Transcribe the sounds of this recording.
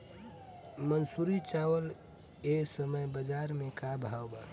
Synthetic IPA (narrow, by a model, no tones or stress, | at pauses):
mənsuːɾit͡ʃaːwəl | eːsəməjbəd͡ʒaːɾmẽkabʱaːwbaː